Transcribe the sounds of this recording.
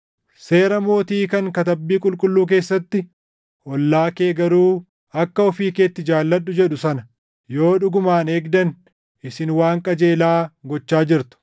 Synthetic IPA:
se̞ːɾɐmo̞ːt̪iːkɐŋkɐt̪ɐbːiːkʼʊlkʼʊlːuːk̬e̞ːsːɐt̪ːɪ | ʔɔlːaːke̞ːɡɐɾuː | ɐkːɐɔfiːkeːt̪ːɪd͡ʒaːlːɐɗːʊd͡ʒɛᶑʊsɐnɐ | jo̞ːᶑʊɡʊmaːneːɡd̪ɐn | ʔɪsɪnwaːŋkʼɐd͡ʒe̞ːlaːɡɔt͡ʃːaːd͡ʒɪɾt̪ʊ̥

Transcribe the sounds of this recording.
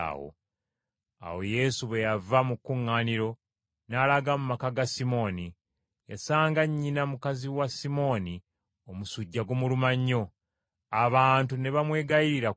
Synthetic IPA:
wo̰ | a̰wo̞̰je̞suβwe̞javamukːuŋːaːniɾo̞ | nalaɡamumakaɡasimo̞ːni | jasaːŋɡaɲːinamukaziwasimo̞ni | omusuɟːaɡomulumaɲːo̞ | aβaːntune̞βamwe̞ːɡaiɾiɾa

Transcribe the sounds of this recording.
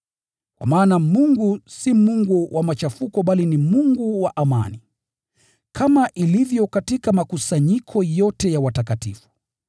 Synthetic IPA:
kwa̰maːnamuŋɡusimuŋɡuwʔamat͡ʃafukɔɓalinimuŋɡuwaʔama̰ni | kʰamaʔilivjɔkatikamakusaɲikʰɔjɔtɛjawatakatḭfu̥

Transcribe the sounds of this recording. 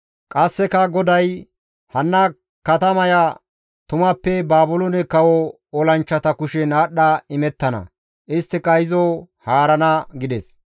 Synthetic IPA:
kʼɐsːɛkɐɡɔd̪ɐj | hɐnːɐ | kɐt̪ɐmɐjɐ | t̪ʊmɐpːɛbaːbʊlɔnɛkɐwɔ | ɔlɐnt͡ʃːɐt̪ɐkʊʃɛnaːɗːɐɪmɛt̪ːɐnɐ̰ | ʔɪst̪ːɪkʼɐjɪzɔ | haːɾɐnɐɡɪd̪ɛs

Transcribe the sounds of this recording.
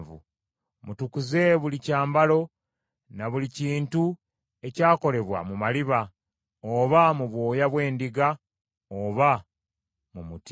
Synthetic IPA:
vṵ | mutukuze̞βulicaːmbalo̞ | naβuliciːntu | e̞caːko̞le̞βwa̰mumaliβa | oβamuβwo̞ːjaβwe̞ːndiɡa | oːβa | mumut

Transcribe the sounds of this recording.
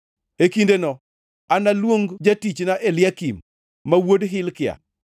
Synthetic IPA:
ekindenɔ | analwoŋɡd͡ʒatit͡ʃnaʔelɪjakimː | awodɦɪlkɪja̰

